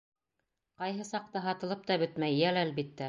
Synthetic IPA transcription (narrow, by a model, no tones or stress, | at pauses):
qɑjɦɤsɑq̚t̪ɑɦɑt̪ɤ̆lˠɤp̚t̪ɑbɵ̆t̪mæjːælælbit̪ːæ